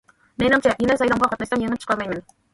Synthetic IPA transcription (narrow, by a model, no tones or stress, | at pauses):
menɑmt͡ʃʰɑjenɪsɑjɾɑmʁɑqʰɑt̪nɑʃsɑmjeŋɪpt͡ʃʰə̥qʰɑlˠmɑjmɪn